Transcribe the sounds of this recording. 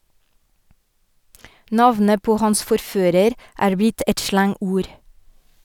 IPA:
ˈnɑʋnə ˈpoː ˈhɑns fɔɾˈføːɾəɾ ˈʔæːɹ ˈbɪt ˈɛt ˈʃlɑŋˌuːɾ

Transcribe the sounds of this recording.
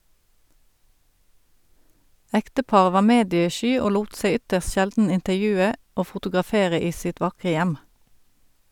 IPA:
ˈɛktəˌpɑːʁə ˈʋɑːʁ ˈmeːdjəˌʃyː ˈoː ˈluːt ˈseɪ ˈʏtəʁst ˈʃɛldn̩ ɪntəʁˈjʉːə ˈoː fʊtʊɡʁɑˈfeːʁə ˈiː ˈsɪt ˈʋɑkʁə ˈjæm

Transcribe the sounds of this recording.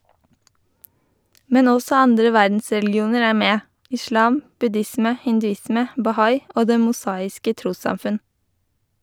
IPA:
ˈmɛn ˈɔsɔ ˈɑndɾə ˈʋæɾdn̩sɹɛlɡɪˌuːnəɹ ˈæː ˈmeː ɪˈʃlɑːm bʉˈdɪsmə hɪndʉˈɪsmə bɑˈhɑɪ ˈoː ˈdeː mʊˈsɑːɪskə ˈtɾuːsɑmˌfʉn

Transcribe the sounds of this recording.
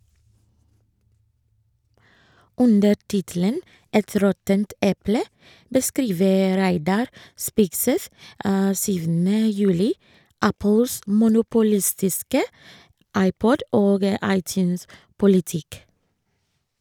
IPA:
ˈʉndə ˈʈɪtl̩ən ˈɛt ˈɾɔtənt ˈɛplə bəˈskɾiːʋə ˈɾæɪdɑɾ ˈspɪksɛθ ə ˈsyːʋn̩ə ˈjʉːlɪ ˈæpəls mʊnʊpʊˈlɪstɪskə ˈɑɪˌpɔd ˈoːɡ ə ˈɑɪˌtjʉspʊlɪˌtɪk

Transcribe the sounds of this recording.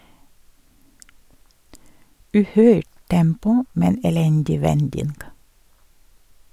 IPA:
ˈʉːˌhœʏʈ ˈtɛmpʊ ˈmɛn ɛˈlɛndɪ ˈʋɛndɪnɡ

